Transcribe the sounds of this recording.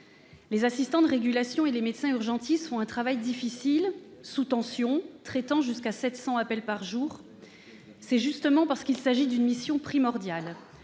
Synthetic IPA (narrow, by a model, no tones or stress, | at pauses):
lezasist̪ɑ̃d̪əʁeɡʲylasjɔ̃elemet̪sɛ̃yʁʒɑ̃t̪isfɔ̃ɛ̃t̪χavajd̪ifisilsut̪ɑ̃sjɔ̃t̪χɛt̪ɑ̃ʒyskasɛt̪sɑ̃apɛlpaʁʒuːʁ | sɛʒyst̪əmɑ̃paʁsə̥kilsaʒid̪ynmisjɔ̃pχimɔʁd̪jal